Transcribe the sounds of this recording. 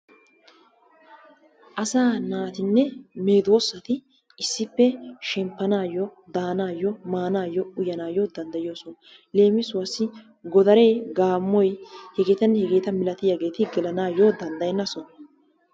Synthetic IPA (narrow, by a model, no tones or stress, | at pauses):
ʔɐsaːnaːt̪ɪnːɛmeːd̪wosːɐt̪ɪ | ɪsːɪpːɛʃɛmpːɐnaːjːɔ | d̪aːnaːjɔmaːnaːjɔʊjɐnaːjod̪ɐnd̪ɐjɪjoːsɔn | le̞ːmɪsʊwɐsːɪ | ɡɔd̪ɐɾe̞ːɡaːmːɔjhɛɡeːt̪ɐnːɛhɛɡe̞ːt̪ɐmɪlɐt̪ɪjaɡe̞ːt̪ɪɡɛlɐnaːjod̪ɐnd̪ɐjɛnːɐsɔn